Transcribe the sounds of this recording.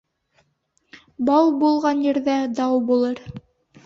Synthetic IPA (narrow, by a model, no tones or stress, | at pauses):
bɑwbulˠʁɑnjɘ̆ɾðæd̪ɑwbulˠɤɾ